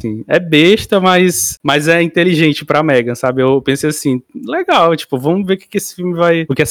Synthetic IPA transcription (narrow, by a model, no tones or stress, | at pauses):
sĩɛbeʃt̪ɐmɐjsmɐzɛĩt̪eliʒẽnt͡ʃɪpɾɐamɛɡɐ̃sabɪewewpẽsejasĩleɡawt͡ʃi̥pʊvɐ̃m̃veɾʊke̥kɪesɪ̥fiwmɪvajʊkɪɛs